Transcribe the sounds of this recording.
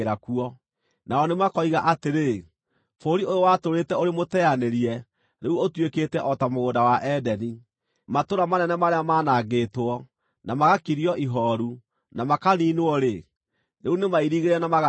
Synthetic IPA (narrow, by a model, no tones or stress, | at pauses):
ɾakuɔ | naɔnemakɔiɣaʔateɾe | foɾiojowatoɾetɛoɾemotɛaneɾiɛ | ɾeuotwekeːtɛʔɔtamoɣoːdawaʔɛdɛni | matoɾamanɛnɛmaɾeamaːnaɣeːtwɔ | namaɣakiɾiɔʔiɦɔɾu | namakaniːnoɔɾe | neunemaiɾiɣeɾeɛnamaɣ